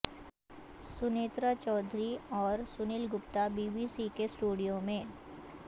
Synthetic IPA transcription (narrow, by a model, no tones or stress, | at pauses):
sʊneːt̪ɾət͡ʃɔːd̪ʱɾiɔːɾsʊnɪlɡʊpt̪abiːbiːsikesʈuːɽijõmẽː